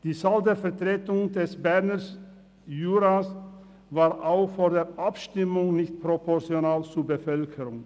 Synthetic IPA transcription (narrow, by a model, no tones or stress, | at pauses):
d̥iːsaːldeːɐfɛʁtʁ̥eːtʊŋdɛsbɛʁnəs | juːɾaːs | vaːʁʔaʊxfoːɾdeːɾʔapʃtɪmʊŋnɪçt̚pʁopʰɔʁt͡sjonaːlt͡suɐbəfœlkʰəʁʊŋ